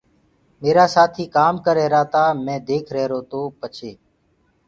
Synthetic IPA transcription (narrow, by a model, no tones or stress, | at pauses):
meːɾaːsaːt̪ʰiːkaːmkəɾeːɾaːt̪aːmɛ̃ːd̪eːkʰɾɛːɾoːt̪oːpət͡ʃʰeː